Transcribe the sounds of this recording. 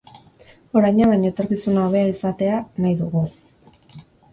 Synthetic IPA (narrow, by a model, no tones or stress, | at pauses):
o̞ɾajɲaβajɲo̞et̪o̞ɾkisunaoβ̞e̞aisat̪e̞anajðuɣu